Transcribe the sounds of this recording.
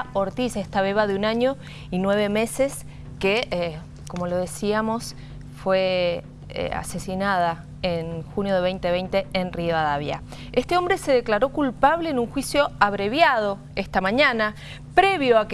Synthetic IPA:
oɾt̪isehst̪aβ̞eβaðeunaɲo | inwe̞βe̞me̞ses | ke | ko̞mo̞lo̞ð̞e̞siamo̞s | fwḛ | a̰se̞sinað̞a | enxunjo̞ðeβejnt̪eβejnt̪eenrioaðaβja̰ | est̪eo̞mbɾe̞se̞ðeklaɾo̞kulpaβleːnuŋxwisjo̞aβɾeβjað̞o̞ | est̪amãɲana | pɾeβjoak

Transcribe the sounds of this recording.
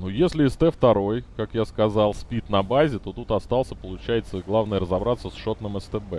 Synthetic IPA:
nujesʲlʲɪɪst̪ɛft̪ɐɾo̞jkakjaskɐzalˠspʲit̪nɐbazʲɪt̪o̞t̪ut̪ɐst̪ɑlˠsʲəpəlˠʊt͡ɕæjɪt̪səɡlˠavnəjəɾəzɐbɾat̪sːəsʂo̞t̪nəmɛst̪ɛbɛ

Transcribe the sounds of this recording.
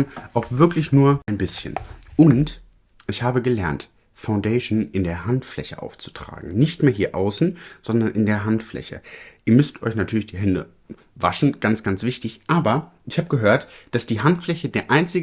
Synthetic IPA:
nʔaʊxv̥ɪɐklɪçnuːɐʔaɪnbɪsçə̰nʔʊnt | ʔɪçhaːbəɡəlɛɐnt | faʊndeːʃnʔɪndeːɐɦantflɛ̰çəʔa̰ʊft͡su̥tʁ̥a̰ːɡŋ̩nɪçtmeːɐɦiːɐʔaʊsn̩z̥ɔndɐnʔɪndeːɐɦantflɛ̰çə̰ʔiːɐmʏstʔɔ̰ʏçnatʰyːɐlɪçd̥iːɦɛndə̰ | va̰ʃn̩ɡ̥ant͡sɡ̥ant͡sv̥ɪçtɪçʔaːbɐʔɪçhaːbəɡəɦøːɐtd̥asd̥iːɦantflɛçədeːɐʔaɪnt͡sɪɡ

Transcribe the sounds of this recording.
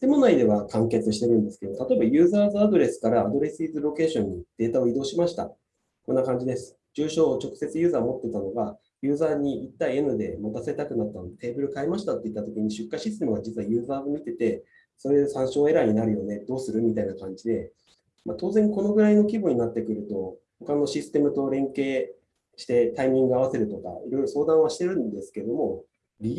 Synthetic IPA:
t̪e̞mo̞naid̪e̞βakãŋke̞t͡sɨɕi̥t̪e̞ɾɯ̟̃nd̪e̞sɨ̥ke̞d̪ot̪at̪o̞ebajɯ̟ːzaːzɨad̪o̞ɾe̞sɨ̥kaɾaːd̪o̞ɾe̞sɨiːzɨɾo̞ke̞ːɕõ̞ɲ̟ːid̪̥e̞ːt̪ao̞id̪o̞ːɕimaɕi̥t̪a̰ | kõ̞nːakãɲ̟d͡ʑid̪e̞sɨ̥ | d͡ʑɨːɕo̞ːt͡ɕo̞kɯ̟se̞t͡sɨjɯ̟ːzaːmo̞t̪ːe̞t̪ano̞ɡa | jɯ̟ːzaːɲ̟iit̪ːaienɯd̪e̞̰mat̪ase̞t̪akɯ̟nat̪ːanot̪e̞ːbɯ̟ɾɯ̟kaemaɕi̥t̪at̪ːe̞it̪ːat̪o̞kʲiɲ̟iɕɨkːaɕist̪e̞mɯ̟ɡad͡ʑit͡sɨβajɯ̟ːzaːɡomʲit̪e̞t̪e̞ | so̞ɾe̞d̪esãɰ̃ɕo̞ːe̞ɾaiɲ̟inaɾɯ̟jo̞ne̞d̪o̞ːsɨɾɯ̟mʲit̪ainakãɲ̟d͡ʑid̪e̞ | mat̪o̞ːzẽ̞ŋko̞no̞ɡɯ̟ɾaino̞kʲiboɲ̟inat̪ːe̞kɯ̟ɾɯ̟t̪o̞ | ho̞kano̞ɕisɨ̥t̪e̞mɯ̟t̪o̞ɾẽ̞ŋke̞ː | ɕi̥t̪e̞t̪aimʲĩŋɡɯ̟aβ̞ase̞ɾɯ̟t̪o̞ka̰iɾo̞jɾo̞so̞ːd̪ãɰ̃βaɕi̥t̪e̞ɾɯ̟̃nd̪e̞sɨ̥keed̪o̞mo̞ | ɾʲi

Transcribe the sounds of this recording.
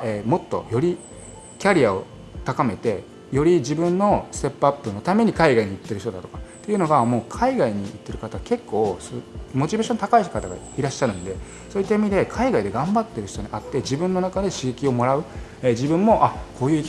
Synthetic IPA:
eːmo̞t̪ːo̞̰jo̞ɾʲi | kʲaɾʲiao̞̰ | t̪akame̞t̪e̞ | jo̞ɾʲid͡ʑibɯ̟̃nːo̞sɨ̥t̪e̞pːɯapːɯno̞t̪ame̞ɲ̟ikaiɡaiɲ̟iit̪ːe̞ɾɯ̟çit̪o̞d̪at̪o̞kḁt̪oiɯ̟no̞ɡamo̞ːkʰaiɡaiɲ̟iːt̪ːe̞ɾɯ̟kat̪aɡake̞kːo̞ːsmo̞t͡ɕibe̞ɕõ̞nt̪akaiçt̪kat̪aɡa̰ | iɾaɕːaɾɯ̟̃nd̪e̞ | so̞ːit̪ːaimʲid̪e̞kʰaiɡaid̪e̞ɡãmbat̪ːe̞ɾɯ̟çi̥t̪o̞ɲ̟iʔat̪ːe̞d͡ʑibɯ̟̃nːo̞nakad̪e̞ɕiɡekʲio̞mo̞ɾaɯ̟ | ed͡ʑibɯ̟̃mːo̞ʔakʰo̞ːjɯ̟ːi

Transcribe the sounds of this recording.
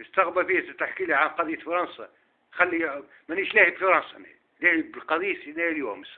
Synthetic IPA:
əst̪ɑɣbælfiæt̪ət̪ːaħkilʕanqɑd̪ˤijːət̪fɑɾˤɑnsɑ | t̪xælːi | mæniʃlæhəbfɑɾˤɑnsˤɑn̰ | læhəbəlqɑd̪ˤijːsnææljṵməs

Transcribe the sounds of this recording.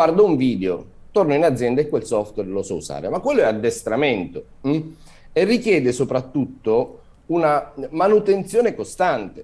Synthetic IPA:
ward̪ouɱviːd̪eot̪ornoinad̪zːjɛnd̪aekːwelsɔft̪wɛrlosɔuza̰ːɾemakːwelːoɛad̪ːest̪ɾament̪o | erːikjɛːd̪esopɾat̪ːut̪ːo | unamanut̪ent̪sjoːnekost̪ant̪e

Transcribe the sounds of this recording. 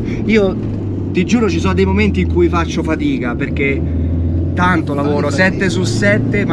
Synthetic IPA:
iːo | t̪id͡ʒuːɾot͡ʃisonod̪ejmoment̪iːŋkujfat͡ʃːofat̪iːkaperk̟e | t̪ːant̪olavoːɾosɛt̪ːesusɛt̪ːem

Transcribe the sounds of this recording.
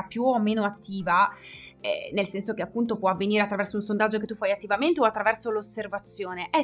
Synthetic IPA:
pjuomːeːnoat̪ːiːvaɛ̰nelsɛnsok̟eapːunt̪opwɔavːeniːɾeat̪ːɾavɛrsounsond̪ad͡ʒːok̬et̪ːufːajat̪ːivament̪eoat̪ːɾavɛrsoloservat̪sːjoːneʔɛ

